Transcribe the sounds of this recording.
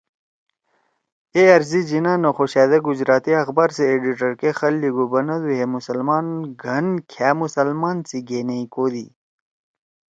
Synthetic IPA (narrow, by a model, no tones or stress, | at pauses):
eɐɾzid͡ʑinanoxoɕaːd̪ɐɡud͡ʑɾaːt̪iɐxbaːɾseːɖiʈɐɾkexɐlːiɡubɐnɐd̪uɦemusɐlmaːnɡʱɐnkʰjaːmusɐlmaːnt͡siɡeːneikoːd̪ḭ